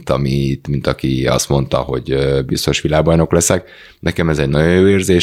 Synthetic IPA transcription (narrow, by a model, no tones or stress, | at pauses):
t̪ɒmiit̪mint̪ɒkiɒ̰st̪mo̞nt̪ɒ̰ho̞̰ɟøbist̪o̞ʃʋilaːɡ̚bɒjno̞klɛsɛk | nɛkɛmɛzɛɟnɒɟojjoːeːrzeː